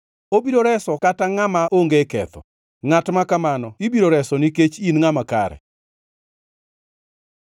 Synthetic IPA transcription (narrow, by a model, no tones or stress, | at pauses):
obiɾoɾɛsɔkataŋamaʔoŋɡekɛ̰t̪ɔ̰ | ŋatmakamanɔibiɾoɾɛsɔniket͡ʃinŋamakaɾɛ̰